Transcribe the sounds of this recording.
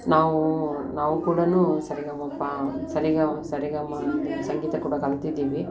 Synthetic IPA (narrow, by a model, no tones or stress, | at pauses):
naːʋũnaːʋɯkuːɽɐnũsɐɾɪɣamɐpːasɐɾɪɣasɐɾiɣamaːɐnd̪ɐsɐŋɡiːt̪ːɐkuːɽɐkɐlɐt̪ːid̪iːʋi